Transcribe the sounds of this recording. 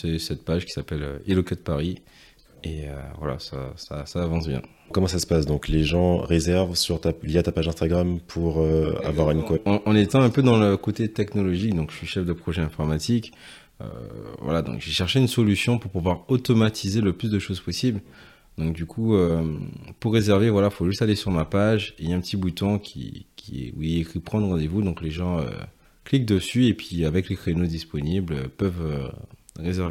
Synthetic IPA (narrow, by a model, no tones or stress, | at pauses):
sɛsɛt̪̚paʒkʲi̥sapɛlø̰elɔkat̪̚paʁi | eø̰vwa̰la̰sa̰sasaːvɑ̃sbjɛ̰̃ | kɔmɑ̃sasə̥pasd̪ɔ̃kleʒɑ̃ʁezɛʁvsyʁt̪aljat̪apaʒɛ̃st̪aɡʁampʰuʁøa̰vwaʁynkwaɑ̃ʔɑ̃net̪ɑ̃ɛ̃pød̪ɑ̃ləkot̪et̪ɛknɔlɔʒik̚d̪ɔ̃kʒ̥əʃɥiʃɛfd̪əpχɔʒɛɛ̃fɔʁmat̪ik | ø̰vwa̰lad̪ɔ̰̃kʒeʃɛʁʃeynsɔlysjɔ̃puʁpuvwaʁot̪ɔmat̪ʰizeləplysd̪əʃozpɔsibl | d̪ɔ̃k̚d̪ykʰuø | puʁːezɛʁvevwalafoʒyst̪alesyʁmapaʒeiaɛ̃pət̪ibut̪ɔ̃kʲʰḭkʲiɛ̰ṵiekχipχɑ̃d̪ʁɑ̃d̪evud̪ɔ̃kleʒɑ̃ø̰ | klik̚d̪əsyepɥiavɛklekχenod̪ispɔnibløpœvø | ʁezɛʁv